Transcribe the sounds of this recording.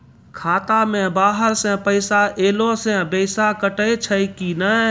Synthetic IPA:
kʰaːt̪aːmẽːbaːɦəɾsɛ̃ːpəɪsaːʔeːlõːsɛ̃bəɪsakəʈəet͡ʃʰəikiːnə

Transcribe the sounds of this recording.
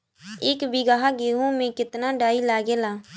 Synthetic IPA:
eːkbɪɡaɦaɡeːɦõmẽkɪt̪naɖaːilaːɡeːlaː

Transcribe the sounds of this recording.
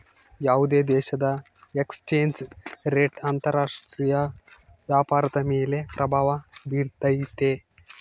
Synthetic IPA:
jaud̪ed̪eːɕɐd̪ɐ | ekst͡ʃend͡ʑɾeːʈaːnt̪ɐɾaːʂʈɾiːjɐ | ʋjaːpaːɾt̪ɐmeːlepɾɐbʱaːʋabiːɾt̪ɐjit̪e

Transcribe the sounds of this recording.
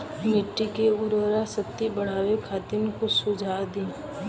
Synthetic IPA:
nɪʈːikeʊɾʋɾasɐt̪ːibɐɽ̤aːʋekʰaːt̪ɪnkosʊd͡ʒʱaːd̪ĩː

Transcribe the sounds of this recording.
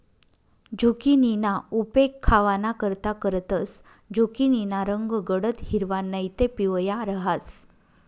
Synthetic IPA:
d͡ʑokininaupekʰːaʋanakəɾt̪akəɾt̪əs | d͡ʑokininaɾəŋɡɡəɽət̪ɦiɾʋanːəjt̪epiʋjaɾəɦas

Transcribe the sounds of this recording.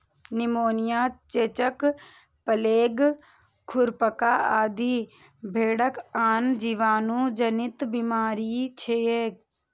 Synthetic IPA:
nɪmoːnɪjaːt͡ʃeːt͡ʃək | pəleːɡ | kʰʊɾpəkaːaːd̪iː | bʱeːɽəkaːnd͡ʒiʋaːnũːd͡ʒənɪt̪bimaːɾiːt͡ʃʰeːeːk

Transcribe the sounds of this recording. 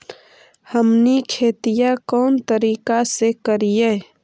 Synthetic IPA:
həmnikʰeːt̪ijakɔːnt̪əɾiːkasekəɾije

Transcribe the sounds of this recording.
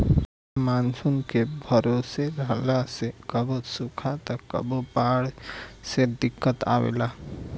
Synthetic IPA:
maːnsʊnkebʱəɾoːseɾəɦlasekəbosʊkʰat̪akə̰bopaːɽsed̪ɪkːət̪a̰ːwḛːlaː

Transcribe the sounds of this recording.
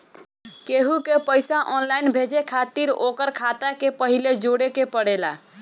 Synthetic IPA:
keɦukepəjsaʔɔnlajnbʱed͡ʒekʰat̪iɾokəɾkʰat̪akepəɦiled͡ʒoɽekepəɽela̰

